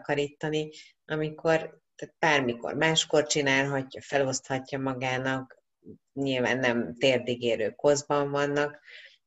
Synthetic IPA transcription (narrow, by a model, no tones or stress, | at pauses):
kɒɾiːt̪ːɒni | ɒmiko̞r | t̪at̪̚b̥aːrmiko̞̰rmaːʃko̞rt͡ʃinaːlɦɒcːɒfɛlo̞st̪hɒcːɒmɒɡaːnɒk | ɲilva̰ːnːɛmt̪eːrd̪iɡeːɾøːko̞zbɒɱvɒnːɒk